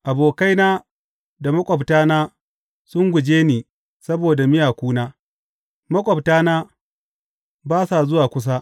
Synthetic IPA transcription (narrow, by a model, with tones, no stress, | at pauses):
ʔa˨boː˨ka˦jnaː˦ | da˨mɐ˦kʷʼɔ˨btaː˦naː˦ | sʊ˦ŋɡʷʊ˨d͡ʒeː˦niː˨ | sɐ˦boː˨da˨mɪ˦jaː˨kʷuː˦naː˦ | mɐ˦kʷʼɔ˨btaː˦naː˦ | baː˦sa˨zʊ˦waː˨kʷʊ˦s̬a˦ʔ